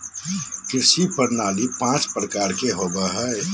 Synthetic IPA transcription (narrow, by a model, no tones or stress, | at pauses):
kɪsipəɾnaːlipãːt͡ʃpɾəkaːɾkeɦoːbaɦɛe